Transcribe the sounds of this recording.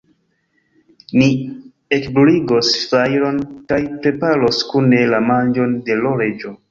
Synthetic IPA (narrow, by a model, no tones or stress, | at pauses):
ni | ekbliɡostajɾo̞nkajpɾe̞paɾo̞skune̞lamand͡ʒo̞nde̞lo̞ɾed͡ʒo